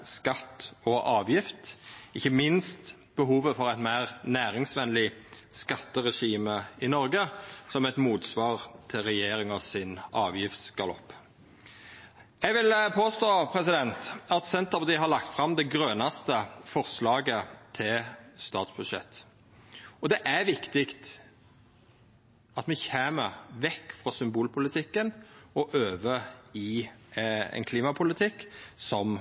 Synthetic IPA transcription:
skɑt̪ːɔʔɑːʋjɪft̪ɪçːəmɪnst̪ | b̥əɦuːʋəfɔɾæɪt̪mæɪʁnæːʁɪŋsʋɛnlɪ | skɑt̪ːəʁɛʂiːməɪnɔʁɡəsɔmɛt̪muːt̪sʋɑːʁt̪ʰɪlʁɛjeːɾɪŋɔsɪnɑːʋjɪft̪skɑlɔ̰pː | jɛɡʋɪlpʰoːst̪oːpʰɾɛsɪd̪ɛnt̪ɑt̪sɛnt̪əʁpɑt̪iːɦɑɾɭɑk̚t̪fɾɑmd̪ɛɡɾøːnɑst̪əfɔʁslɑːɡət̪ʰɪlst̪ɑːt̪sb̥ʉd̪ʂɛ̰t̪ː | ɔd̪ɛʔæɾʋɪkt̪ɪkt̪ | ɑt̪mɛçæːməʁʋɛkːfʁɑsʏmbuːlpʰʊlɪt̪ʰɪkːənɔʔøːʋəɪ | ɛ̰nkʰliːmɑpʰʊlɪt̪ʰɪkːsɔm

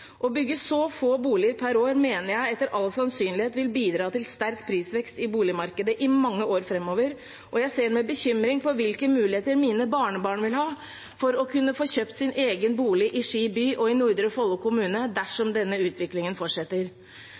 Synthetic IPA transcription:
ʔɔbʏɡːəsɔfoːbuːlɪəɾpʰæɾoːɾmeːnəɾjæɪɛt̪ːəɾʔɑlsɑnsyːnlɪheːt̪ʋɪlbiːd̪ɾɑːt̪ɪlst̪æɾkpʰɾiːsʋɛkst̪ɪbuːlɪmɑɾkəd̪əʔɪmɑŋːəoːɾfɾɛmːoːʋəɾ | ʔɔjæɪseːɖmɛbəçʏmɾɪŋpɔʋɪlkəmʉːlɪheːt̪əɾmiːnəbɑːɳəbɑːɳʋɪlhɑː | fɔɾɔkʰʉnːəfoːçøːpt̪sɪnʔeːɡənbuːlɪʔɪʂiːbyːʔɔɪnʊɾd̪ɾəfɔlkʰʊmʉːnəd̪æʂɔmd̪ɛnːəʉːt̪ʰʋɪklɪŋənfɔʈʂɛt̪ːəɾ

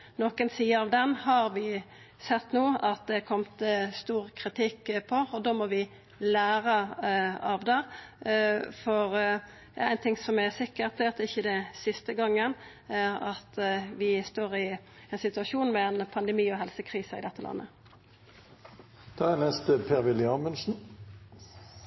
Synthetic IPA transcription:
noːkənsiːəɾɑʋd̪ɛnhɑɾʋɪ | sɛt̪ːnuːɑt̪̚d̪ɛkʰɔmt̪st̪uːʁkʰʁɪt̪ʰɪkːpʰɔɔd̪oːmɔʋɪ | læːɾə | ɑʋd̪ɛ | fɔʁ | jɑ̰æɪnt̪ʰɪŋsɔmɛsɪkːəʁt̪ɛɑt̪̚d̪ɛɪçːəd̪ɛnsɪst̪əɡɑŋːən | æɾɑt̪ʋɪst̪oːʁɪ | ɛnsɪt̪ʉɑʃuːnmɛɛnpʰɑnd̪əmiːɔɦɛlsəkʰʁiːsəɪ̰d̪ɛt̪ːəlɑ̰nːə̰ | d̪̥ʰɑɛnɛst̪əpʰeːʁʋɪlɪɑːnmʉnsn̩

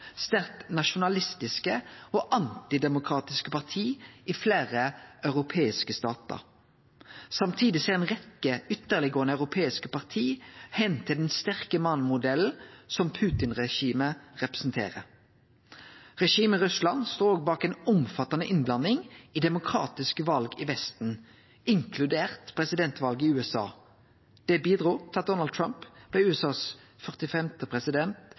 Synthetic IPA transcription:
st̪æʁknɑʃʊnɑlɪst̪ɪskəoːʔɑnt̪ɪd̪ɛmʊkʰʁɑːt̪ɪskəpʰɑʁt̪ʰiːɪfleːʁəœʉʁʊpʰeːɪskəst̪ɑːt̪ə̰ʁ | sɑmt̪ʰiːd̪ɪseːʁɛːnʁɛkəʏt̪ːəʁlɪɡoːənəɑʉʁʊpʰeːɪskəpɑʁt̪ʰiːhɛnt̪ʰɪld̪ɛnst̪æʁkəmɑnmʊd̪ɛln̩sɔmpʰʉːt̪ɪnʁɛʃiːməʁɛpɾɛ̥sn̩t̪ʰḛːʁə | ʁɛʃiːməʁʉslɑnst̪oːoːɡbɑːkɛːnʊmfɑt̪ɑnəʔɪnblɑnːɪŋiːd̪ɛmʊkʰɾɑ̰ːt̪ɪskəʋɑlɡɪʋɛst̪n̩ | ʔɪŋkʰlʉd̪eːʁt̪pʰʁɛsɪd̪ɛnt̪ʋɑlɡəɪʉːɛsɑ̰ː | d̪̥ɛbiːd̪ʁuːt̪ʰɪlɑt̪̚d̪ɔnɑl̚t̪ʰɹɑmpb̥lɛːʉːɛsɑːs | fœʁt̪ɪfɛmt̪əpʰʁɛsɪd̪ɛnt̪

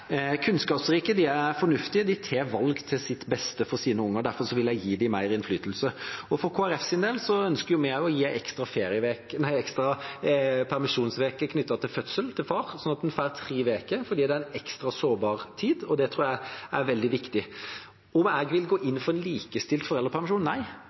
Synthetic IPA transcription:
kʰʉnskɑːpsɾiːkəd̪ɪæfɔnʉft̪ɪd̪ɪt̪ʰeːɾʋɑlɡt̪ʰɪlsɪt̪bɛst̪əfɔɾsiːnəʊŋːəd̪æɾfɔɾʂɔʋɪlæɪjiːd̪ɪmæɪɾɪnflyːt̪əlsəɔfɔɾkʰoːæɾɛfsɪnd̪eːlsɔœnskəɾjʊmɛɔjiːæɛkst̪ɾɑfeːɾɪəʋeːknæɪɛkst̪ɾɑ | pʰæɾmɪʂuːnsʋeːkəkʰnʏt̪ːɑt̪ʰɪlfœt̪səlt̪ʰɪlfɑːɾsɔnɑt̪ɛnfæːɾt̪ʰɾiːʋeːkəfɔɾd̪iːd̪ɛæɾɛnɛkst̪ɾɑsoːbɑːɾt̪ʰiːd̪ɔd̪ɛt̪ʰɾuːjæɪæɾʋɛld̪ɪʋɪkt̪ɪ | ɔmɛːɡʋɪlɡoːʔɪnːfɔɾɛnliːkəst̪ɪlt̪fɔɾɛlːəpʰæɾmɪʂuːnnːæɪ

